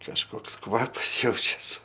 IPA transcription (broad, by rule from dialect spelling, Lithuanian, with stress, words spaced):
kɐʃˈkoːks ˈkʋɑːpɐs ˈjɛʊt͡ʃʲɛs